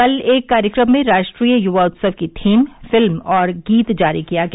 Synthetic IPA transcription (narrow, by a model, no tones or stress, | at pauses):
ɐleːkːaːɾjəkɾəmːẽɾaːʃʈɾiːəjʊʋaʊt̪səʋkit̪ʰiːmfɪlmɔːɾɡiːt̪d͡ʒaːɾikijaɡɐ